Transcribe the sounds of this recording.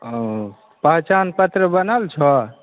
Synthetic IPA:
pəɦt͡ʃanpət̪ɾəbənalt͡ʃʰə

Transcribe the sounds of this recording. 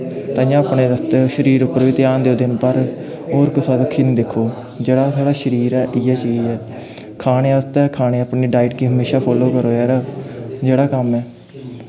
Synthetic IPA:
t̪ãːjãːapɳeːd̪əst̪eʃəɾiːɾʊpːəɾʋiːt̪ɪjãːnd̪eːoːd̪ɪnpəɾ | ɦoːɾkɪsaːdəkʰːiːnũːd̪ekʰːoː | d͡ʒeːɽaːt̪ʰaːɽaːʃəɾiːɾɛːʔɪjaːt͡ʃəiːɛː | kʰaːneːəst̪ɛːkʰaːneːapniːɖaːɪʈkiːɦəmeːʃaːpʰɔːloːkəɾoːɛːɾaːd͡ʒeːɽaːkəmɛː

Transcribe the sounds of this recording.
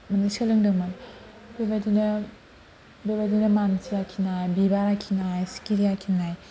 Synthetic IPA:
mɐnɯsalɯŋdɯman | bebadinɐ | bebadinɐmansiakʰinajbibaɾakʰinajsi̥kiɾijakʰinaj

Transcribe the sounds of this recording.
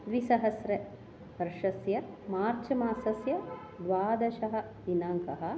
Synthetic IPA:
d̪ʋisɐɦɐsɾe | pɐɾʂɐsjɐ | maːɾt͡ʃʰɐmaːsɐsjɐ | d̪ʋaːd̪ɐʃɐɦɐ̆ | d̪inaːŋkɐɦɐ̆

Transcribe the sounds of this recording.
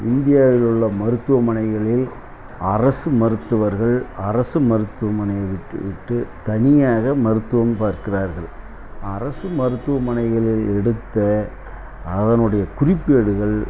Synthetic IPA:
ɪnd̪ɪjaːʋɪlɯɭːɐmɐɾɯt̪ːɯʋɐmɐnɐɪɣɐɭɪl | ɐrɐsɯmɐɾɯt̪ːɯʋɐɾɣɐɭɐrɐsɯmɐɾɯt̪ːɯʋɐmɐnɐjɐʋɪʈːʋɪʈːɯt̪ɐnɪjaːɣɐmɐɾɯt̪ːɯʋɐmpaːɾkɪraːɾɣɐɭ | ɐrɐsɯmɐɾɯt̪ːɯʋɐmɐnɐɪɣɐɭɪlɛɽɯt̪ːɐ | ɐðɐnɯɽɐjɐkʊrɪpːɯjɐɽɯɣɐɭ

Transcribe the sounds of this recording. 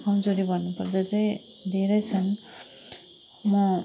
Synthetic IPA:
kʌmd͡zoɾibʱʌnːupʌrd͡zʌt͡sʌj̃ | d̪ʱeɾʌjt͡sʰʌn | mʌ

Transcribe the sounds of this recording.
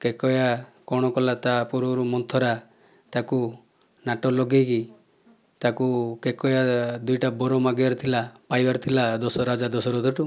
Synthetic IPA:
kekɔjakɔɽ̃ɔkɔlat̪apuɾbɔɾumɔnt̪ʰɔɾa | t̪aku | naʈɔlɔɡeki | t̪akukekɔjad̪ujʈabɔɾɔmaɡibaɾt̪ʰilapajbaɾt̪ʰilad̪ɔsɔɾad͡ʒad̪ɔsɔɾɔd̪ɔʈu

